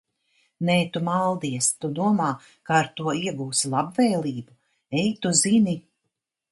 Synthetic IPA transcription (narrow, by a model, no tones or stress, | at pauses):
nɛːjt̪umalˠd̪iɛst̪ud̪uɔmaː | kaːɾt̪uɔiɛɡuːslˠabvɛːlʲˠiːbu | ɛjt̪uzini